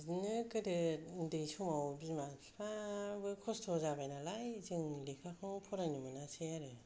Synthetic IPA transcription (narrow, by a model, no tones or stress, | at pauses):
znɯkɯdɯndɯjsɔmawbimapʰabɯkʰɔstʰɔzabajnalajzɯŋlikʰakʰɯŋpʰɔɾanimɯnasejaɾɯ